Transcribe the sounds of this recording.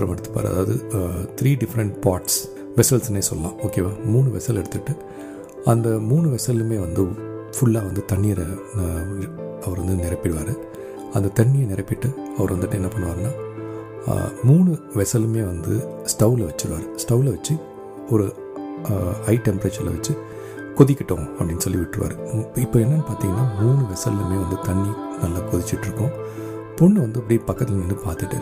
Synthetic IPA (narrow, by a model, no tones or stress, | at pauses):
ɾɐmɛɽɯt̪ːɯ̥pːa̰ːɾɐ̰ðaːʋɐðɯt̪ɪɾiːɖɪfɾɐɳʈpaːɾʈs | ʋɛsɐlsɐneːsɔlːɐlã̰ːoːkeːʋaːmuːɳɯʋɛsɐlɛɽɯt̪ːɯʈːɯ | ɐnd̪ɐmuːɳɯʋɛsɐlɯmeːʋɐnd̪ɯfʊɭːaːʋɐnd̪ɯt̪ɐɳːiːɾɐ | ɐʋɐɾʋɐnd̪ɯnɪɾɐpːɪɽɯʋa̰ːɾɯ | ɐnd̪ɐt̪ɐɳːijenɪɾɐpːɪʈːɯɐʋɐɾʋɐnd̪ɯʈːɯɛnːɐpɐɳːɯʋaːɾɐna̰ː | muːɳɯ | ʋɛsɐlɯmeːʋɐnd̪ɯ | sʈɐʊlɐʋɐt͡ʃːɯɽɯʋa̰ːɾɯsʈɐʊlɐʋɐt͡ʃːɯ | ɔɾɯ | ɐɪʈɛmpɐɾeːt͡ʃɐɾlɐ̰ʋɐt͡ʃːɯ | kɔðɪkʲːɪʈːõːɐpːɐɽɪnːɯsɔlːiʋɪʈːɯʋa̰ːɾɯɪpːoːɛnːɐnpaːɾt̪iːŋɡɐnːaːmuːɳɯʋɛsɐlːɯmeːʋɐnd̪ɯt̪ɐɳːinɐlːaːkɔðɪt͡ʃːɪʈːɪɾɯkːʊ̃ | pɔɳːɯʋɐnd̪ɯɐpːɐɽipɐkːɐt̪ːɪlɐnʋɐnd̪ɯpaːɾt̪ɪʈːɯ̰